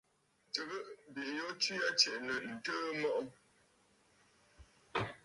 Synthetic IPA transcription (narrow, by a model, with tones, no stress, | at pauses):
tə˨ɣə˦ʔbi˨jɔ˦ti˦a˦t͡ʃɛ˨ʔnə˨n̩˨tə˦mɔ˦ʔɔ˦